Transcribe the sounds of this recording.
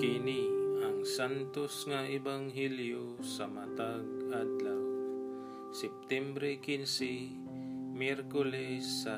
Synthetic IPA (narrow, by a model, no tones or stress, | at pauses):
kɪniaŋsant̪osŋaʔɛbaŋɦɛljosamat̪aɡ̚ad̪law | sɛp̚t̪ɛmbɾɛkinsi | mɛɾkʊlɛsːa